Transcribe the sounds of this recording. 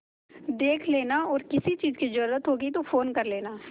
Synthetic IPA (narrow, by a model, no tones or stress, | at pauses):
d̪eːkʰleːnaɔːɾkɪsit͡ʃiːzkid͡ʒʊɾɾət̪ɦoːɡit̪ofoːnkɐɾleːnaː